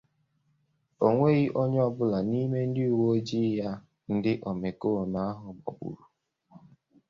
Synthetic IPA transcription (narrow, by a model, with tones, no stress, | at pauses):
o˨ŋʷe˦ɣi˦ʔo˦ɲ˦ɔ˦bʊ˦la˨ni˦me˦n̩˦dɪi˦u˨wo˦d͡ʒi˦ja˦ | n̩˦dɪ˦ʔɔ˨me˨ko˦˨na˦a˦ɦʊ˨ɡ͡bɔ̰˨bṵ˨ɾu˨